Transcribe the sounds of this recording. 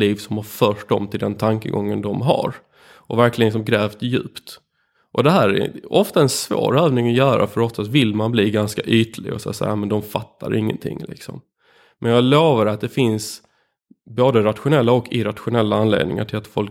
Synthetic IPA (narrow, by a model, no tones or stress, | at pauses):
liːvsɔmhaɾfœːʂd̪ɔmt̪ʰɪld̪ɛnt̪ʰaŋkə̰ɡɔŋːənd̪ɔmɦa̰ɾ | ʔɔvæɾklɪɡənsɔmɡɾɛːvt̪jʉ̟̰ːpt̪ | ʔɔd̪ɛɦæːɾɛ̰ɔft̪aɛnsvo̰ːɾøːvnɪŋɔjœːɾa̰fœɾɔft̪ːasvɪlːmanbliːɡanskaʔyːt̪əlɪ̰ɡɔ̰sa̰sajːamɛnd̪ɔmfat̪ʰːa̰ɾɪŋːə̰nt̪ʰɪ̰ŋːlɪ̰ksɔm | mʔɛnjɑloːvaɾat̪̚d̪ɛfɪns | boːd̪əɾat̪ɧʊnɛlːaɔkːɪɾat̪ɧʊnɛlːaanlḛːd̪̚nɪ̰ŋa̰ʈʰɪlat̪fɔlk